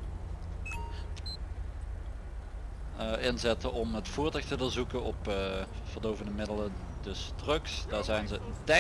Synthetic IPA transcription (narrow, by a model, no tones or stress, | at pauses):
ʔɪnzɛtəʔɔmɦətfʊːɹtəxtədəɹzukənɔpv̥ərdowvəndəmɪdələ | dɵsdrɵksdaːɹzɛjnzəntɛ